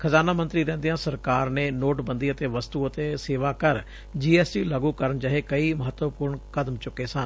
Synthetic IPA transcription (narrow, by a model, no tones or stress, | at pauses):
kʰəzaːnaːmənt̪ɾiːɾɛ̃ːnd̪ijãːsəɾkaːɾneːnoːʈbənd̪iːət̪eːʋəst̪uːət̪eːseːʋaːkəɾ | d͡ʒiːɛːsʈiːlaːɡuːkəɾəɳt͡ʃaːɦeːkəiːməɦət̪ːʋəpʊːɾɳkəd̪mt͡ʃʊkːeːsən